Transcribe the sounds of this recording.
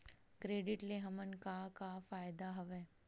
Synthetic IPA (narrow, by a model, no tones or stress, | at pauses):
kɾeːɖɪʈleɦɐmənkakafaːjd̪aɦɐʋɛː